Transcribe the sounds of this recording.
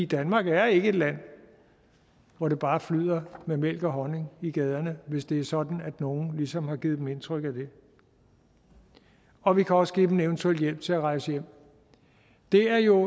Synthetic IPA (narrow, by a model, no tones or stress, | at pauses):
id̥ænmɑ̈ːɡ̥æɐe̝ɡ̥əe̝d̥læn̰ | ʋɒɾ̥e̝b̥ɑ̈ːflyð̰ˠɐmemel̰ɡ̥ɒɦɒ̽ne̝ŋiɡ̥ɛːð̞ˠɐnəʋe̝sd̥e̝æɐsɒ̽d̥n̩æd̥no̝ːn̩lisɒ̽mhɑ̈ɡ̥iðˠd̥eme̝nt͡sʰʁœɡ̥æd̥e̝ | ɒ̽ʋikʰæɒ̽səɡ̥ḭːd̥m̩eʊnt͡sʰuel̰d̥jel̰b̥̚t͡sʰe̝æʁɑ̈ɪsəjem̰ | d̥e̝æɐjo̝